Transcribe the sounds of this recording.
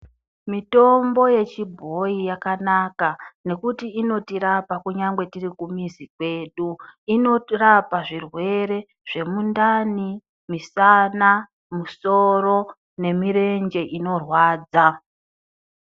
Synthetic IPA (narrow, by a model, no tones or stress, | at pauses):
mito̞mbo̞je̞t͡ʃibʱo̞ijakanakane̞kutiːno̞tiɾapakuɲaŋɡwe̞tirikumizikwe̞ːɗuino̞rapaʐirwe̞ɾe̞ | ʐ̥e̞mundani | misana | muso̞ro̞ | ne̞mire̞nd͡ʒe̞ʔino̞rwaːd͡za